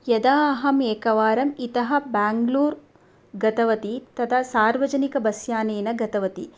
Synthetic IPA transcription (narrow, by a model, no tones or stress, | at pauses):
jɐd̪aːɐɦɐmeːkɐʋaːɾɐmit̪ɐɦɐ̆baːŋɡluːɾ | ɡɐt̪ɐʋɐt̪it̪ɐt̪ʰɐsaːɾʋɐd͡ʒɐnikɐbɐsjaːneːnɐɡɐt̪ɐʋɐt̪i